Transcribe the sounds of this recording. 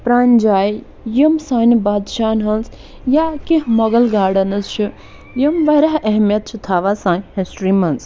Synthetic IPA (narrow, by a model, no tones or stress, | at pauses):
pɾaːnʲd͡ʒaːj | jimsaːnbaːd̪ʃaːnɦɐns | jakiɦmɐɡɐlɡaːɽɐnɐst͡ʃʰi | jimʋɐɾɐɦɐɦmjɐt̪̚t͡ʃʰit̪ʰaːʋasãːnʲhesʈɾimɐns